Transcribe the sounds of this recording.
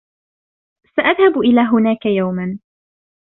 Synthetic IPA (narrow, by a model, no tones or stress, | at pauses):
saʔaðhabʔɪlaːɦʊnaːkajawman